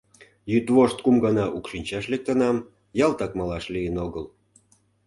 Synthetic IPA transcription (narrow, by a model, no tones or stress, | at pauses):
jyt̪βoʃt̪kumɡɑnɑʔukʃinʲt͡ɕɑʃlek̚t̪ənɑm | jɑlt̪ɑkmɑlɑʃlijənoɣəl